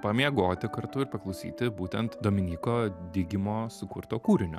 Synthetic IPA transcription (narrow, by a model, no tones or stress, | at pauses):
pɐmʲiɛɡoːt̪ʲɪkɐɾt̪ʊɪɾpɐklˠɒʊsʲḭːt̪ʲɪbuːt̪ʲɛnt̪d̪oːmʲɪnʲiːkoːd̪ʲɪɡʲɪmoːsʊkʊɾt̪oːkuːɾʲɪnʲʊ̰ː